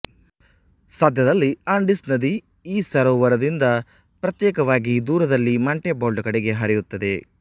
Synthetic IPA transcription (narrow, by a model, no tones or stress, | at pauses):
sɐd̪ʱjɐd̪ɐlːiaːɳɖisnɐd̪i | iːsɐɾɐʋɐɾɐd̪ind̪ɐ | pɾɐt̪jɛːkɐʋaːɡid̪uːɾɐd̪ɐlːimɐɳʈeboːɭɖkɐɽeɡe̞ɦɐɾijut̪ːɐd̪e̞